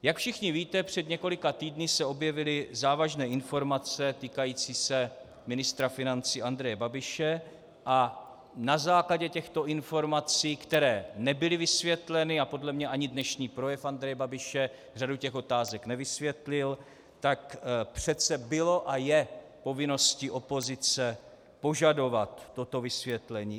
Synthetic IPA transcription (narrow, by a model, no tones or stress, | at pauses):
jakfʃɪxɲɪviːt̪ɛpr̝̥ɛd̪ɲɛko̞lɪkat̪iːdnɪsɛo̞bjɛvɪlɪzaːvaʒnɛːɪnfo̞ɾmat͡sɛt̪iːkajiːt͡siːsɛ | mɪnɪst̪ɾafɪnant͡siːʔand̪ɾɛjɛbabɪʃɛ | ʔa | nazaːklaɟɛcɛxt̪o̞ʔɪnfo̞ɾmat͡siːkt̪ɛɾɛːnɛbɪlɪvɪsvjɛt̪lɛnɪapo̞dlɛmɲɛʔaɲɪdnɛʃɲiːpɾo̞jɛfand̪ɾɛjɛbabɪʃɛ | r̝aducɛxʔo̞t̪aːzɛknɛvɪsvjɛt̪lɪl | t̪akpr̝̥ɛt͡sɛbɪlo̞ʔajɛ | po̞vɪno̞sciʔo̞po̞zɪt͡sɛ | po̞ʒado̞vat̪ːo̞t̪o̞vɪsvjɛt̪lɛɲiː